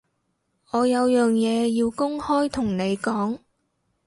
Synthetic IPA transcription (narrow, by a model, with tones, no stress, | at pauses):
ɔː˨˧jɐ˨˧wjœː˨ŋjɛː˨˧jiː˧wkʊ˥ŋhɔː˥jt̪ʰʊ˨˩ŋne˨˧jkɔː˨˥ŋ